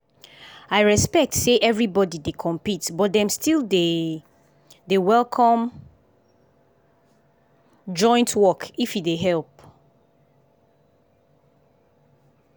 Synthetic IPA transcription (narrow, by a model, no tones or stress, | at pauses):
aɪɹɛspɛk̚tseʔɛvɹibɔdidekʰɔ̃mpitbɔt̚dɛ̃mstilde | dewɛlˠkʰɔ̃m | d͡ʒɔ̃ɪ̃ntʰwɔkifideɦɛlˠp̚